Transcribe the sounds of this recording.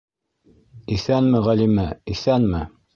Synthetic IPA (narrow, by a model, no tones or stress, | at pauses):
iθænmɘʁælimæiθænmɘ